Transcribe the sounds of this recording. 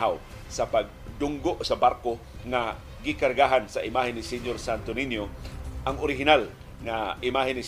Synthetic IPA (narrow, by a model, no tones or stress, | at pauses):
aw | sapaɡ̚d̪ʊŋɡoʔsabaɾko | ŋa | ɡɪkaɾɡaɦansaʔɪmaɦɪnːɪsiɲjoɾsant̪oninjoʔaŋoɾɪɦɪnal | ŋaʔɪmaɦɪnːɪ